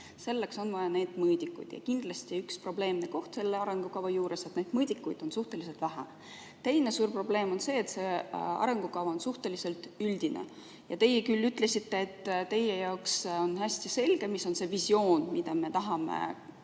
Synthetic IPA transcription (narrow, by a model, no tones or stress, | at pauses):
se̞lːe̞kso̞nvɑjɑne̞ːd̪̥mɤːd̪̥ʲikːˑṵjd̪̥jɑ̰kind̪̥lɑsʲt̪iykspro̞ble̞ːmneko̞ht̪se̞lːeɑɾe̞ŋɡ̥ukɑvɑjuːɾʔe̞set̪ne̞ːd̪̥mɤːd̪̥ikːˑujd̪̥o̞nsuht̪e̞lis̬e̞lt̪væɦæ̰ | t̪e̞jnesuːrpro̞ble̞ːmo̞nse̞ːt̪se̞ɑ̰ɾe̞ŋɡ̥ukɑvɑonsuht̪e̞lise̞lt̪yld̪̥inḛ | jɑt̪e̞jekylːyt̪ˑle̞sit̪ːe̞ːt̪ːt̪e̞je̞jɑoksonɦæsʲt̪jise̞lɡ̥emiso̞nse̞visjo̞ːnmid̪ɑme̞t̪ɑɦɑmḛ